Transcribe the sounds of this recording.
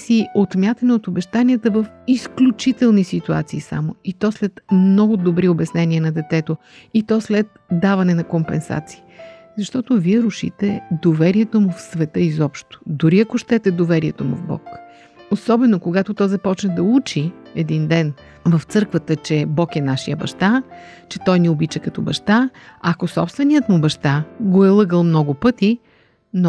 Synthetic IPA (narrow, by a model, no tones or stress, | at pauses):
siot̪mʲjat̪ɐnɛot̪obɛʃt̪aniət̪əvɐfisklʲut͡ʃit̪ɛlˠnisit̪ua̰t̪siːsa̰moit̪ɔslɛt̪mnɔɡʊd̪obɾiobɐsnɛniənɐd̪ɛt̪ɛt̪o | it̪ɔslɛt̪̚d̪avɐnɛnɐkompɛnsa̰t̪si̥ː | zɐʃt̪ɔt̪ʊviɛɾʊʃḭt̪ɛd̪ovɛɾiɛt̪omʊfsvɛt̪əizɔpʃt̪o̥d̪ʊɾiɐkoʃt̪ɛt̪ɛd̪ovɛɾiɛt̪omʊ̰vbɔ̰k | osɔbɛnokoɡat̪ʊt̪ɔjzɐpɔt͡ʃnəd̪ɐut͡ʃiɛd̪ind̪ɛn | vɐft̪sɤɾkvət̪ət͡ʃɛbɔkɛnaʃijəbɐ̰ʃt̪a | t͡ʃɛt̪ɔjniobit͡ʃɛkɐt̪ɔbɐʃt̪aɐkosɔpst̪vɛnijət̪mʊbɐʃt̪aɡoɛlˠɤɡəlˠmnɔɡʊpɤt̪i | no